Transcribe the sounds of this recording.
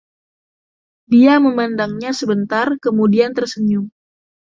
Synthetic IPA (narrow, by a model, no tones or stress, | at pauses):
diaməmandaŋɲasəbənt̪arkəmudiant̪ərsəɲʊŋ